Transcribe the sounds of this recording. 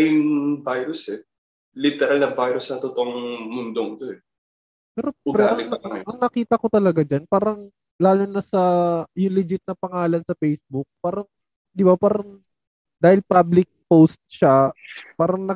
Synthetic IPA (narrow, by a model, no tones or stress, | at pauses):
jʊŋbajɾʊsɛ | lit̪ɛɾalnɐbajɾʊsnɐt̪ot̪oʔŋmʊnd̪oŋt̪oɛ | pɛːɾo̞ʊɡɾɛɐlɪɐɐʔɐŋnɐkiːt̪ɐkot̪ɐlɐɡad͡ʒanpaːɾɐŋ | laːlʊnɐsɐjʊŋlɪd͡ʒɪt̪̚nɐpɐŋaːlɐnsɐfejsbʊk̚paːɾɐŋ | d̪ɪbapaːɾɐŋ | d̪aːhɪlpablɪk̚post̪̚ʃapaːɾɐŋnɐ